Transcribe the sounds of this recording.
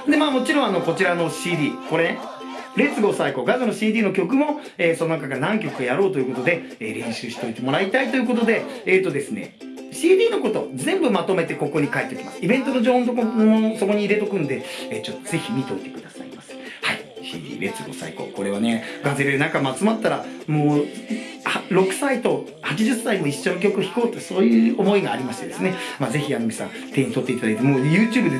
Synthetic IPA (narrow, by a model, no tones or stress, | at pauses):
d̪e̞maːmo̞t͡ɕiɾõano̞ko̞t͡ɕiɾano̞ɕiːd̪ʲiːko̞ɾe̞ne | ɾe̞t͡sɨɡo̞saiko̞ɡazɨno̞ɕiːd̪ʲiːno̞kʲo̞k̬ɯ̟mo̞ | eːso̞noakakanãŋk̬ʲo̞kɯ̟ajaɾo̞ːt̪oiɯ̟ko̞t̪o̞d̪e̞ | eːɾẽ̞ɰ̃ɕɨːɕi̥t̪o̞it̪e̞mo̞ɾait̪ait̪o̞jɯ̟k̬o̞t̪o̞d̪e̞ːt̪o̞d̪e̞sɨne̞̰ | ɕiːd̪ʲiːno̞ko̞t̪o̞zẽ̞mbɯ̟mat̪o̞me̞t̪e̞ko̞ko̞ɲ̟ikaet̪ːkʲimasɨ̥ibent̪ono̞d͡ʑoːhõnt̪okomoso̞ko̞ɲ̟iːɾe̞t̪o̞kɯ̟̃nd̪e̞eːt͡ɕo̞t̪ːo̞ze̞çʲimʲit̪o̞it̪e̞kɯ̟d̪asa̰ḭmasɨ̥ | haiɕḭːd̪ʲḭːɾe̞t͡sɨɡo̞̰sa̰iko̞̰ko̞ɾe̞β̞ane̞ɡazeɾeenãŋkamat͡sɨmat̪ːaɾamoː | haɾo̞kɯ̟̥sait̪o̞ | hat͡ɕiʑɨsːaimo̞iɕːo̞nok̬ʲo̞kɯ̟oçi̥ko̞ːt̪oso̞ːjɯ̟ːomo̞iɡaːɾʲimaɕi̥t̪e̞d̪e̞sɨne̞maze̞çiamimʲisã̰ | t̪ẽ̞ːɲ̟it̪o̞t̪ːe̞it̪ad̪ait̪emoːjɯ̟ːt͡ɕɨːbɯ̟d̪e